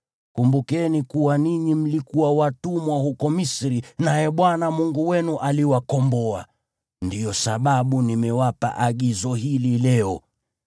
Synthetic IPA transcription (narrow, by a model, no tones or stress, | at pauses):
kumbukɛnikuwaniɲim̩likuwawatumwahukɔmisɾinajɛɓwanamuŋɡuwɛnuʔaliwakɔmbɔa̰ | ndijɔsaɓaɓunimɛwapa̰ʔaɠizɔɦililɛɔ